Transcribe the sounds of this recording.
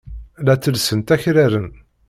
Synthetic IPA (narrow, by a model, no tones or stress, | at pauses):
læt͡sːəlsənt̪æçɾæɾən